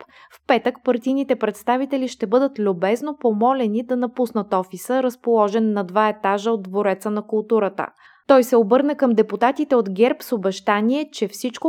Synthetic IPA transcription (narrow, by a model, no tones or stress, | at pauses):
p | fpɛt̪əkpɐɾt̪ijnit̪ɛpɾɛt̪st̪avit̪ɛliʃt̪ɛbɤd̪ət̪lʲʊbɛznopomɔlɛnid̪ɐnɐpusnət̪ɔfisəɾəspolˠɔʒɛnːɐd̪vaɛt̪aʒəod̪dːvoɾɛt̪sənɐkʊlˠt̪uɾət̪ə̰ | t̪ɔjsɛobɤɾnəkəmd̪ɛput̪at̪it̪ɛod̪ɡʲɛɾpsobɛʃt̪aniɛt͡ʃɛfsit͡ʃko